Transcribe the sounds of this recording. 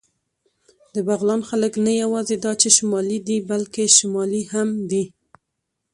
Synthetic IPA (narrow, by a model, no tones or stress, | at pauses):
d̪əbaɣlɑnxaləknajawɑzed̪ɑt͡ʃeʃʊmɑlid̪ibalkeʃʊmɑlihamd̪i